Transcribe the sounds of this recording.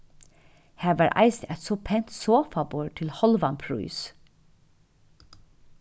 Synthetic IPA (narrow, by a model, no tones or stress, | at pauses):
hæːʋæːɹʔæ̰ɪsɛt̪soːpʰent̪soːfɑboːɹʈʰɪlhɔlʋɑnpʰɹʉ̰ːs